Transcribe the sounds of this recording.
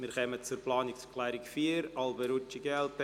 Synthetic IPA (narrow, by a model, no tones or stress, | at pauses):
miɾχɛmət͡suɾplɑːnɪkskʰlɛːɾɪkfiːɾɑlˠbəɾʊt͡ʃiɡɛlt